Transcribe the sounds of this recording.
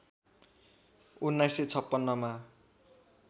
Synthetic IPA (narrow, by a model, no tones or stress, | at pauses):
unːajset͡sʰʌpːʌnːʌma